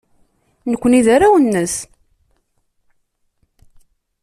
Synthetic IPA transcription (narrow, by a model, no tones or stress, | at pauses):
nəkʷːəniðaɾawənːəs